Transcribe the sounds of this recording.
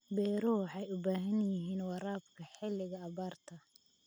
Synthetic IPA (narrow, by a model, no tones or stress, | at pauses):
bɛːɾɔħɑjʊbaːɦɐnjɪɦiːnwɑɾaːbkʰɐħɪlɪɣɐːβaːrt̪ʰɐ